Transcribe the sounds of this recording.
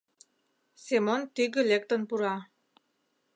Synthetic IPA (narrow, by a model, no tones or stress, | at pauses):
semont̪yɡə̆lek̚t̪ə̆npuɾɑ